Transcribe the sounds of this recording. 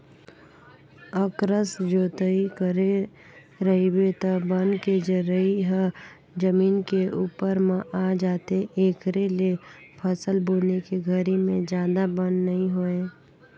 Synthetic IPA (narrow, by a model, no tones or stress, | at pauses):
əkɾəsd͡ʒoːt̪əikəɾe | ɾəɦibet̪obənked͡ʒəɾəiɦə | d͡ʒəmiːnkeuːpəɾmãʔad͡ʒaːt̪eeːkɾelepʰəsəlboːnekeɡʱəɾimẽd͡ʒjaːd̪abənnəɦĩɦoeː